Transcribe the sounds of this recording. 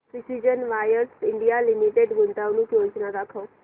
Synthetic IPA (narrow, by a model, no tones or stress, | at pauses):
pɾɪsid͡ʒənʋaːjəsɪɳɖijaːlɪmiʈeɖɡʊnt̪aʊnũːkjoːt͡ʃnad̪akʰoː